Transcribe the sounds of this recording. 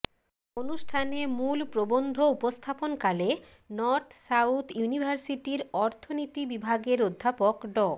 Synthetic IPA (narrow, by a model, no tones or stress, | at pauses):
onuʃʈʰanemulpɾobond̪ʱoupost̪ʰaponkale | nɔɾt̪ʰsawt̪ʰjunibʱaɾsiʈiɾɔɾt̪ʰonit̪ibibʱaɡeɾod̪ʱːapokɖɔ